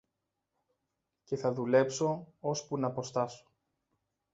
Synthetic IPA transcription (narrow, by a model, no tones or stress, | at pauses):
ce̞θɐðule̞pso̞ospunɐpo̞st̪ɐso̥